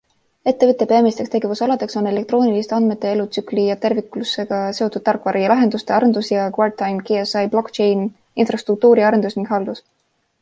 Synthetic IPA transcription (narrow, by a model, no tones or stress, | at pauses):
e̞t̪ːe̞vɯt̪ˑːe̞peɑmist̪ekst̪e̞ɡ̥e̞vusɑlɑd̪e̞kso̞ne̞le̞kt̪ɾo̞ːnilist̪eɑnd̪̥me̞t̪ːˑe̞elut̪syklijɑt̪e̞rvikˑlusːe̞ɡ̥ɑse̞ot̪ːˑud̪̥̚t̪ɑrkːˑvɑɾijɑlɑɦe̞nd̪ust̪e̞ɑɾe̞nd̪usjɑkvɑrt̪ːɑjmkeesɑjb̥lo̞kt͡ʃejn | infrɑst̪ruk̚t̪uːɾiɑɾe̞nd̪usniŋɡ̥ɦɑld̪us